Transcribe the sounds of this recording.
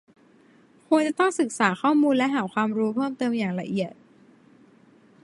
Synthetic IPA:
kʰu˧ə˧ŋt͡ɕa˨˩t̪ɔ˥˩ŋsɯ˨˩k̚saː˩˦xʰɔː˥˩muː˧nlɛ˦˥ɦaː˩˦kʰwaː˧mɾuː˦˥pʰɤː˥˩mt̪ɤː˧mjaː˨˩ŋla˧ʔi˨˩ət̪̚

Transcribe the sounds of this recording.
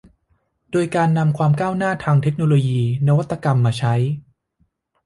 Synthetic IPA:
doː˧jkaː˧nːa˧mkʰwaː˧mkaː˥˩wnaː˥˩t̪ʰaː˧ŋt̪ʰe˦˥k̚noː˧loː˧jiː˧na˦˥wa˦˥t̪ːa˧ka˧mːaː˧t͡ɕʰa˦˥j

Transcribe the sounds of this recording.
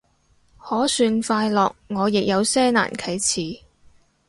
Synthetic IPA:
hɔː˨˥syː˧nfaː˧jlɔː˨k̚ŋɔː˨˧jɪ˨k̚jɐ˨˧wsɛː˥na̰ː˨˩nkʰɐ˨˥jt͡sʰiː˨˩

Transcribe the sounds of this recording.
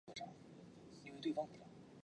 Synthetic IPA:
ʈ͡ʂɑ˥˩i˥nwe˥˧t̪we˥˩fɑ˥ŋpu˥˩ʈ͡ʂɑ˥˩ŋ

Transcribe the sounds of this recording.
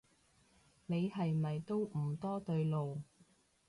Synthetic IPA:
ne˨˧jhɐ˨jmɐ˨jt̪o˥wm̩˨˩t̪ɔː˥t̪ɵ˧ɥlo˨w

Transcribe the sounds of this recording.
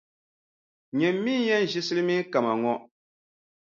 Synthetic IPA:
ɲɛ˨mːi˦jɛ˦n˦˨ʒɪ˦sɨ˦lɨ˦mi˦ka˨ma˨ŋɔ˦

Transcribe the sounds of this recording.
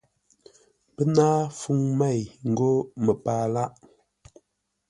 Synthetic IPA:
pə˦naː˦fu˦˨ŋma˦˨jŋ̩˨ɡo˦mə˨paː˦la˦ʔ

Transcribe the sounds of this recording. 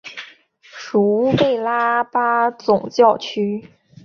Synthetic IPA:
ʂu˧˥pe˥˩ɪla˥pa˥t͡sʊ˨˩ŋt͡ɕjɑ˥˩ʊt͡ɕʰy˥

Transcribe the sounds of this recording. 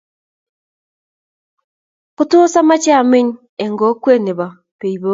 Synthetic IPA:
ku˦to˦sa˦ma˦t͡ʃa˨me˦ɲ˦ | e˨ŋɡo˦kwe˦˨ne˨βa˨ | pe˨i˨βo˦

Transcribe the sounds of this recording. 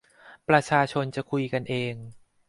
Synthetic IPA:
pɾa˧t͡ɕʰaː˧t͡ɕʰo˧nt͡ɕa˨˩kʰu˧jka˧nʔeː˧ŋ

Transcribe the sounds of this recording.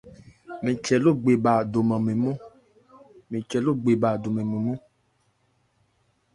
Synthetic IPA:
mĩ˨t͡ʃɛ˨lo˦˨ɡ͡be˨ba˨do˨mã˨mẽ˨mõ˦ | mĩ˨t͡ʃɛ˨lo˦˨ɡ͡be˨ba˨do˨mẽ˨mẽ˨mũ˦

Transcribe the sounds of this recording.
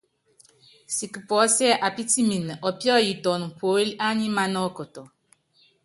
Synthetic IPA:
si˨ki˨pɔ˨˦sɛ˦ʔa˨pi˦ti˦mi˨n˨ʔɔ˨pjɔ˦˨ji˨tɔ˨nu˨po˨˦li˦a˦ɲi˦ma˦nɔ˦kɔ˨tɔ˨

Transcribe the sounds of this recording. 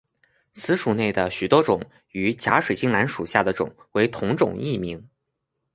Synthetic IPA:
t͡sʰɹ̩˧˥ʂu˨˩ne˥˩ɪd̪ə˩ɕy˨˩t̪wɔ˥ʈ͡ʂʊ˨˩ŋ | y˧˥t͡ɕja̰˧˥ʂwe˨˩t͡ɕi˥ŋla˧˥nʂu˨˩ɕja˥˩d̪ə˩ʈ͡ʂʊ̰˨˩ŋwe˧˥ɪt̪ʰʊ˧˥ŋʈ͡ʂʊ̰˨˩ŋi˥˩mi˧˥ŋ

